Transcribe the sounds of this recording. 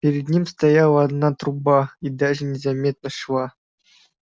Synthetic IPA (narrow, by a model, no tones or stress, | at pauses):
pʲeɾʲɪd̪nʲimʲst̪ajɑʋɑd̪nɑt̪rubɑid̪ɑʐɘ̆nʲezɑmʲet̪nɤ̆ʂlɑ